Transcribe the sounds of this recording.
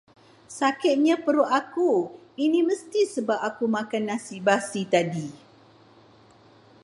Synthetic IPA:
sakɪt̪̚ɲãpəɾoʔakuinĩməst̪isəbap̚akumãkanːãsibasit̪adi

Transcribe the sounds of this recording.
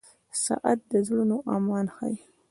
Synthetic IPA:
sɑ̰ʔat̪̚d̪əzɽunoʔɑmɑnxa̰j

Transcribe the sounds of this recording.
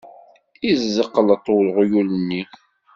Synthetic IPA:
izəqːələt̪ˤːowlʁjulənːi

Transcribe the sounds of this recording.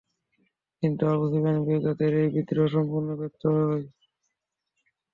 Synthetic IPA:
kint̪uaβod̪ʱikanibiɡ̪at̪eɾejbit̪ːiɾɔʃɔmpuɾnobɛp̚t̪oɦɔɦɔe

